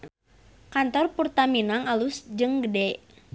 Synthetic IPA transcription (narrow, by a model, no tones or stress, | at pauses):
kant̪ɔrpurt̪aminaŋalusd͡ʒɨŋɡədɛʔ